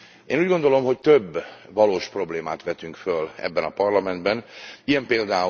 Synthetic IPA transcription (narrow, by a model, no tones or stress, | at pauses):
ʔḛːnuːɟɡond̪o̞lo̞mɦo̞ct̪øbːɒloːʃpro̞bleːmaːt̪ʋɛt̪yŋkfølɛ̰bːɛnɒpɒrlɒmɛnd̪bɛnijɛmpeːld̪aː